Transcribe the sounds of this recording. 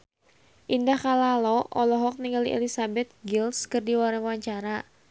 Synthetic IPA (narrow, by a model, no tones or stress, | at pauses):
ʔindahkalalɔʔɔlɔɦɔk̚niŋɡaliʔɛ̰lisabɛt̪̚ɡilskɨrdiwaɾaŋwaɲt͡ʃaɾa